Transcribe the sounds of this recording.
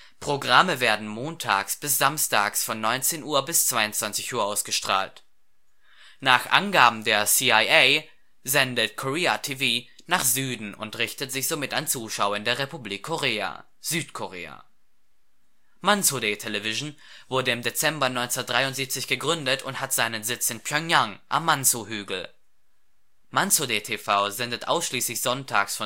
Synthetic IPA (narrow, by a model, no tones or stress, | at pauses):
pʁ̥oɡʁaməveːɐdn̩moːntʰa̰ːksb̥ɪsz̥amsta̰ːksfɔnːɔʏnt͡seːnʔuːɐbɪst͡sv̥aɪʊntt͡sv̥ant͡sɪçʔuːɐʔaʊsɡ̥əʃtʁ̥a̰ːlt | naːχʔa̰nɡaːbm̩deːɐsiaɪʔɛɪ | zɛndətkʰoʁeːa̰tʰiviː | naːχz̥yːdn̩ʊ̰ntʁɪçtətz̥ɪçz̥omɪtant͡suːʃaʊɐɪndeːɐʁepubliːkʰːoʁeːa̰ | z̥yːtkʰoʁḛːa̰ | mansodetʰelɛvɪʒn̩v̥ʊɐdəɪmdet͡sɛmbɐnɔʏnt͡sɐtd̥ʁaɪʊntz̥iːp̚t͡sɪçɡ̥əɡʁʏndətʰʊnthatz̥aɪnənzɪt͡sɪnpʰjɔŋjaŋʔa̰mːansoɦyːɡl̩ | mansodetʰefaʊzɛndətʔa̰ʊsʃliːslɪçz̥ɔntʰa̰ːksfɔ